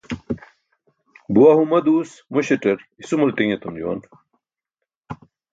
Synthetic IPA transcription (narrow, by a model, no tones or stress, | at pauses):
buwɐɦumɐd̪uːsmuɕeʈɐɾisumult̪ĩŋet̪umd͡ʑuwɐ̰n